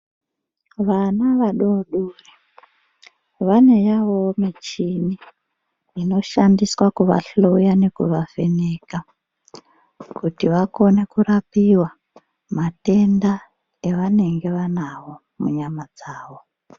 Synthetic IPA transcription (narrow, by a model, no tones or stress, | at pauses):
ʋanaʋaɗoɗuri | ʋane̞jaʋo̞mit͡ʃini | ino̞ʃandiswakuʋa̰ɬo̞jane̞kuʋafe̞ne̞ka | kutiʋako̞ne̞kuɾapiwa | mate̞nda | eʋane̞ŋɡe̞ʋanawo̞ | mṵɲamad͡zaːʋo̞